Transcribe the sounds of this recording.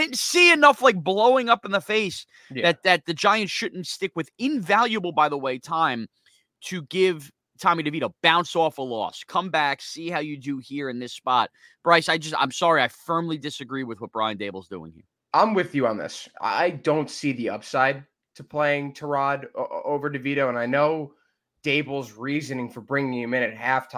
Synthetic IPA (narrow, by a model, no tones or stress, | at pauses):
ɪsiɨnʌflaɪk̚b̥loʊɪ̃ŋʌpn̩ðəfeɪs | ðɨt̪̚ðɨt̪̚ðɨd͡ʒaɪɨ̃ntʃʊdⁿn̩tstɪkwɨðɪ̃ɱvælˠjɨbl̩ˠbaɪðəweɪtʰãɪ̃m | tʰɨɡɪv̥ | tʰɑmiɾɨviɾoʊb̥ãʊ̃nsɔfəlɔ̰skʰʌ̃mbæksihaʊjɨdɨhiɹɨ̃nðɪspɑt̚ | b̥ɹaɪsaɪd͡ʒʌstã̰ɪ̃msɑɹiaɪfɜ̃˞mlidɨsɨɡɹiwɨðwʌt̚b̥ɹaɪɨ̃ndeɪbl̩ˠzdṵɪ̰̃ŋhḭɹ | ʔãɪ̃mwɨðjɨə̃nðɪ̰sa̰ɪdõʊ̃ntsiðiʌpsaɪd̚ | tʰəpʰl̥eɪɪ̃ŋtʰə˞ɑɾoʊvə˞ɾɨviɾoʊə̃naɪnoʊ | d̥eɪbl̩ˠzɹizɨnɪ̃ŋfə˞bɹɪ̃ŋɪ̃ŋɨmɪ̃ñɨt̚hæftʰ